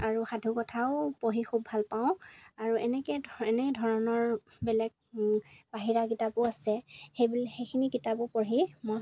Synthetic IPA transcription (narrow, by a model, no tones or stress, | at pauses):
aɹuxadʱukɔtʰaʊpoɦixʰubʱalpaʊ̃aɹuɛnɛkɛɛnɛdʱɔɹɔnɔɹ | bɛlɛɡ̚baɦiɹakitapʊasɛxejbulxejkʰinikitapʊpɔɹimɔ